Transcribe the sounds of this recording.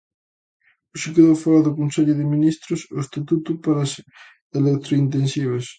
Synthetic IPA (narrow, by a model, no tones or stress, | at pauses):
ʊsekeðowfalaðʊkonseʎʊðɪminist̪ɾʊsoest̪at̪ut̪upaɾɐs | elek̚t̪ɾoint̪ensiβ̞ɐs